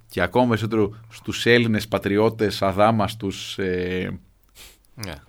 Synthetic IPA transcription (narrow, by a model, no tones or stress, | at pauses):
ceɐko̞mɐpe̞ɾisot̪eɾost̪use̞line̞spɐt̪ɾio̞t̪t̪e̞sɐðɐmɐst̪use